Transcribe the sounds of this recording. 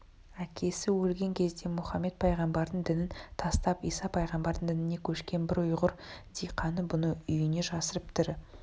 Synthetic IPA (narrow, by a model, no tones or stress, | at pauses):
ækʲʰe̞sɪwɵlɡʲe̞ŋkʲʰe̞zd̪e̞mʊχɑmːe̞t̪̚pʰɑjʁɑmbɑɾd̪əɴd̪ɪnɪnt̪ʰɑst̪ɑpḭjsɑpʰɑjʁɑmbɑɾd̪əɴd̪ɪnɪne̞kʲʰɵʃkʲe̞nbɪɾʊjʁʊɾd̪̥ijqʰɑnəbʊnəʏjɪne̞ʒɑsəɾəpt̪ʰɪɾ